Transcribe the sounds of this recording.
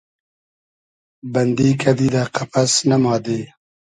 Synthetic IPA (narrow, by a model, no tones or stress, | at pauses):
bɐnd̪iːkʰɐd̪iːd̪aːqɐpɐsnɐmɑːd̪eː